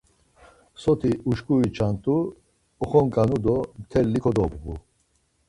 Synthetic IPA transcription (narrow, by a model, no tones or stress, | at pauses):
sɔt̪ʰiuʃkʼuit͡ʃʰant̪ʼuː | χɔŋkʼanud̪ɔmt̪ʰɛlːikʰɔd̪ɔbɣu